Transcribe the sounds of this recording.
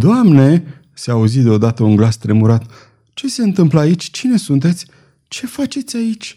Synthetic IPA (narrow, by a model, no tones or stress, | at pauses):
d̪oamne̞ | seauzid̪eo̞d̪at̪əunɡlast̪ɾe̞muɾat̪ | t͡ʃe̞seɨnt̪ɨmpləait͡ʃʲt͡ʃine̞sunt̪e̞t̪sʲ | t͡ʃe̞fat͡ʃe̞t̪sʲait͡ʃʲ